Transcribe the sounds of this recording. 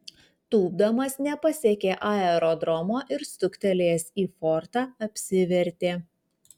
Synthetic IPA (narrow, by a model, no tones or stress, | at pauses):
t̪uːbd̪ɐmɐsnʲɛpɐsʲeːkʲeːʔɑɛɾoːd̪ɾɔmoːʔɪɾst̪ʊkʲt̪ʲɛlʲeːsiːfɔɾt̪ɑːɐpʲsʲɪʋʲɛɾʲt̪ʲeː